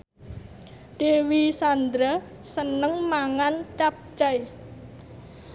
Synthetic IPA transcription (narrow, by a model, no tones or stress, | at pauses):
ɖ̥ewisand̪ɾa | sənəŋmaŋant͡ʃap̚d͡ʒaj